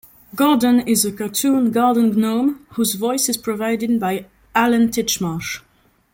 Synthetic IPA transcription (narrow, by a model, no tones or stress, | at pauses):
ɡɔdə̃nɪzəkatʰũːnɡɑɹdən̩ɡnõʊ̃mhuzvɔɪsɪz̥pʰɹ̥ɔvaɪdɪd̚baɪ | ʔalə̃ntʰɪt͡ʃmɑʃ